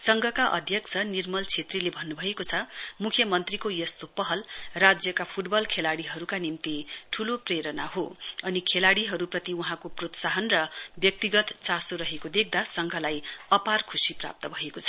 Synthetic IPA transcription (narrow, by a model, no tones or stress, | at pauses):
sʌŋɡʱʌkaʔʌ̰d̪ʱjʌkt͡sʰʌnirmʌlt͡sʰet̪rilebʱʌnːubʱʌekot͡sʰʌmukʰjʌmʌnt̪rikojʌst̪opʌɦʌlrad͡zjʌkapʰuʈbʌlkʰelaɽiɦʌɾukanimt̪iʈʰulopreɾʌnaɦoʌnikʰelaɽiɦʌɾuprʌt̪iuɦãkoprot̪saɦʌnrʌbjʌk̚t̪iɡʌt̪t͡sasoɾʌɦekod̪ek̚ʰd̪asʌŋɡʱʌlajʌparkʰusipra̰p̚t̪ʌbʱʌekot͡sʰʌ